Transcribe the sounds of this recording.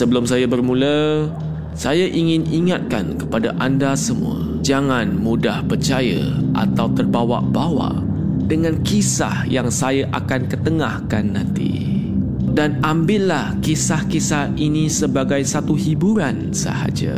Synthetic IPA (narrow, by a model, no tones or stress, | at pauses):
səbəlʊmsajabərmũlə | sajaʔiŋɪniŋat̪̚ka̰nkəpadaʔandasəmṵ̃ə̰ | d͡ʒaŋanmudahpərt͡ʃajə̰ʔa̰t̪awt̪ərbawa̰ʔbawa̰ʔ | dəŋãnkisa̰hjaŋsajaʔakankət̪əŋahkanːãnt̪ḭ | danambɪʔlahkisahkisahinisəbaɡajsat̪uhibuɾan | sə̰ha̰d͡ʒa̰